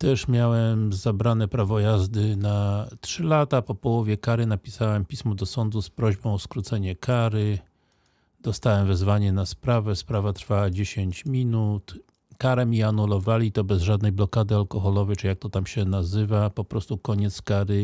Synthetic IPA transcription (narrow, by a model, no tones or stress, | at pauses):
t̪ɛʂmʲjawɛmzabɾanɛpɾavɔjazd̪ɘnatʂɘlat̪apɔpɔwɔvʲjɛkaɾɘnapʲisawɛmpʲismɔd̪ɔsɔnd̪uspɾɔʑbɔ̃w̃ɔskɾut̪sɛɲɛkaɾɘ | d̪̥ɔst̪awɛmvɛzvaɲɛnaspɾavɛspɾavat̪ɾfawad͡ʑeɕeɲt͡ɕmʲinut̪ | kaɾɛmʲiɛanulɔvalʲit̪ɔbɛzʐad̪nɛjblɔkad̪ɘalkɔxɔlɔvɛjt͡ʂɨjak̚t̪ɔt̪amɕɛnazɘvapɔpɾɔst̪ukɔɲɛt̪skaɾɘ